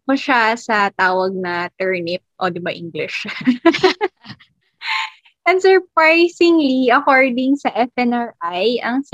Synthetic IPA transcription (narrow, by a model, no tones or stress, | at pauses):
pɐʃasɐt̪aːwɐɡ̚nɐt̪ɛɹnɪp̚ʔod̪ɪbaʔiŋɡlɪʃ | ʔɛnsɛɹpɹajsɪŋliɐkoɹd̪ɪŋsɐʔɛfɛnɐɹʔajʔɐŋs